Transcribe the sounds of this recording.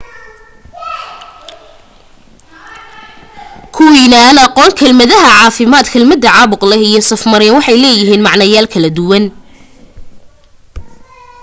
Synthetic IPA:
kʰʊwinɐɐnɑqɔːŋkʰɐlmɐðɐɦɐʕɑːfɪmaːd̪kʰɐlmɐd̪ːɐʕɑːβʊqlɛhijɞsɐfmɐɾɛnwɑħɑjlɛːjɪɦiːnmɑʕnɐjaːlkʰɐlɐd̪ʊwɐn

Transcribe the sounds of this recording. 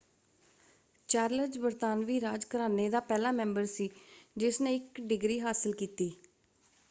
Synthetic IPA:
t͡ʃaːɾləd͡ʒbəɾt̪aːnʋiːɾaːd͡ʒkəɾaːneːd̪aːpɛːlaːmɛ̃ːmbəɾsiːd͡ʒɪsneːɪkɖɪɡɾiːɦaːsəlkiːt̪iː

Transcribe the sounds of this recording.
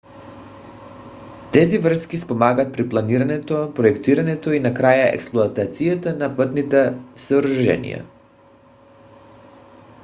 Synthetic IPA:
t̪ɛzivr̩skispomaɡaːt̪̚pɾiplˠaniɾanɛt̪opɾoɛkt̪iɾanɛt̪oinakɾajaɛ̰ksplˠoat̪at̪sijat̪anapət̪nit̪ɛsəɾuʒɛ̰nḭja̰

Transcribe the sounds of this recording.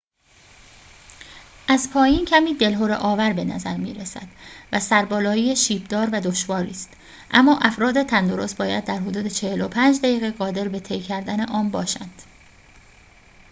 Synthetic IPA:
ʔæzpʰɒːjiːncʰæmiːd̪e̞lɦoɾeʔɒːvæɾbe̞næ̰zæɾmḭːɾesæ̰d̪̥væsæɾbɒːlɒːjiːeʃiːbd̪ɒːɾvæd̪o̞ʃvɒːɾḭːst̪ | ʔæ̰mːɒːʔæfɾɒːd̪et̪ʰænd̪o̞ɾost̪bɒːjæd̪̚ːæɾɦod̪uːd̪et͡ʃʰe̞helopʰænd͡ʒd̪æjiːɣeɣɒːd̪e̞ɾbe̞t̪ʰejcʰæɾd̪æne̞ʔɒːmbɒːʃæ̰nd̪̥

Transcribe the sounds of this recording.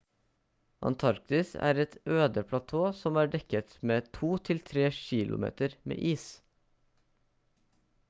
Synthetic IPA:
ʔɑ̰nt̪ʰɑɾk̚t̪ɪsæ̰ːɾɛt̪øːd̪əpʰlɑt̪ʰoːsɔmæːɖɛkət̪meːt̪ʰuːt̪ʰɪlt̪ʰɾeːʃiːlʔʊ̰mḛːt̪əɾmḛːʔiːs

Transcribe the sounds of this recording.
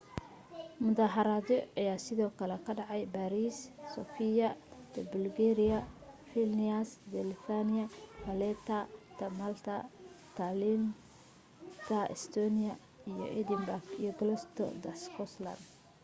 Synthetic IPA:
mʊðaːɦɐɾaðɔɐjaːsɪðɔːkʰɐlɛkʰɐɖɑʕɑjbaɾiːsːɔfijɐd̪ɛbʊlɡɛɾɪjɐfilniasd̪ɛlfanɪɐpɐlɛt̪ʰɐt̪ʰɐmalt̪ʰɐt̪ʰalin | t̪ʰɐʔɛst̪ʰɔnijɐ | ijɔ̰ʔɛd̪ɪmbarɡḭjɔɡlɔst̪ʰɔ̰d̪ɐskʰɔslɐ̰nd̪

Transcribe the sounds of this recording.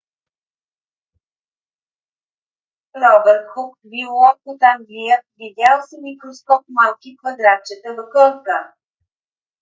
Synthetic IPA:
ɾɔbɛɾt̪xuk | viɔkut̪aŋɡlijəvid̪ʲjalˠsimikɾoskɔp̚malˠkʲikvəd̪ɾat͡ʃət̪əvəkɤlˠka

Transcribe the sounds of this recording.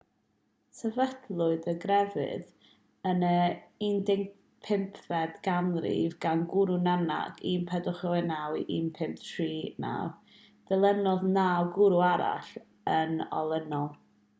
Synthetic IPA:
sʰɛvədlˠʊɨðəɡrɛvɨ̰ð | ənəindɪŋ | pʰɪmpʰvɛdɡanrḭvɡanɡʊɾunana̰ɡ̥impʰɛdʊχəwɛnawʔinpʰɪmp̚tʰriːna̰w | d̥ɛlˠənɔðnawɡʊɾuaɾa̰ɬ | ənɔ̰lˠənɔlˠ

